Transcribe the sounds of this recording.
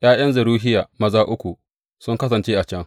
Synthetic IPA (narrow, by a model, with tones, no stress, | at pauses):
j̰aː˦j̰ɐ˦nzɐ˨ɾuː˦ɦɪ˦jaː˨mɐ˦zaː˦ʔʊ˦kʷu˨ | sʊ˦ŋkɐ˦s̬ɐ˨nt͡ʃeː˦ʔa˨t͡ʃɛ˦ŋ